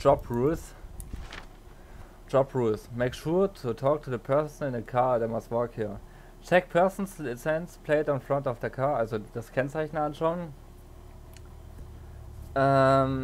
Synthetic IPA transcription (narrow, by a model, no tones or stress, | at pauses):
d͡ʒɔpɹuls | ʒ̥ɔpɹuːlsmeɪkʃuːɐtʰutʰɔːk̚tʰuðəpʰɜɐsn̩ɪ̃nəkʰaːdɛmastwɔkhiːɐ | t͡ʃɛk̚pʰɜɐsn̩slɪt͡sɛ̃nspʰl̥eɪtɔ̃nfɹãntɔfðəkʰaɐʔalzod̥askʰɛnt͡saɪçnəanʃaʊən | ʔɛm